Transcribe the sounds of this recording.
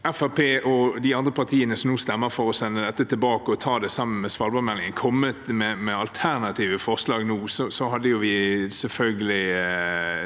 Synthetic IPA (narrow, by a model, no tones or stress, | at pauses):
ɛfæʁpʰeːʔɔd̪ɪɑnd̪ɾəpʰɑʁt̪ʰiːənəsɔmnuːst̪ɛmːəɾfɔɾɔsɛnːəd̪ɛt̪ːət̪ʰɪlbɑːkəɔt̪ʰɑːd̪ɛsɑmːən̩mɛsʋɑlbɑmɛlɪŋənkʰɔmːət̪mɛmɛɑlt̪ʰæʁnɑt̪ʰiːʋəfɔʁslɑːɡnuːsɔsɔɦɑd̪ːəjʊʋɪsɛlfœlɡəlɪ